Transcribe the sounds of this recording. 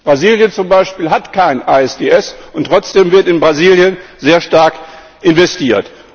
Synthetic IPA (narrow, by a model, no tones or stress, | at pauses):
b̥ʁaziːljənt͡sʊmbaɪʃpiːlɦatkʰaɪnʔaɛsd̥eːʔɛsʊntːʁ̥ɔt͡sd̥eːmvɪɐtɪnbʁaziːljənzeːɐʃtaɐk | ʔɪnvɛstiːɐt